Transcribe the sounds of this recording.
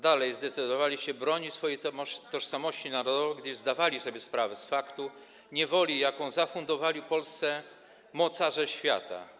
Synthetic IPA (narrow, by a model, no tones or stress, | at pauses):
d̪alɛjzd̪ɛt̪sɘd̪ɔvalʲiɕɛbɾɔɲit͡ɕsfɔjemɔt̪ɔʂsamɔɕt͡ɕinaɾɔd̪ɔvɛɡd̪ɘzd̪avalʲisɔbʲjɛspɾavɛsfakt̪u | ɲɛvɔlʲijakɔ̃w̃zafund̪ɔvalʲipɔlst̪sɛ | mɔt̪saʐɛɕfʲja̰t̪a̰